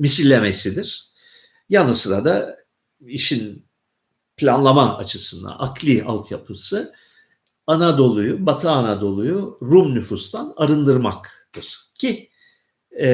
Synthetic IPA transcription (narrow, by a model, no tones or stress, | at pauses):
misilʲːeme̞sid̪iɾ̥ | janɯsɯɾad̪a | iʃin | pʰlʲanlˠamaa̰t͡ʃʰɯsɯnd̪a̰ʔakʰlʲˠia̰lˠt̪ʰjapʰɯsɯ | anad̪o̞lˠujubat̪ʰaːnad̪o̞lˠujuɾumnʲyfust̪ʰanaɾɯnd̪ɯɾmakt̪ʰɯɾ̥cʰi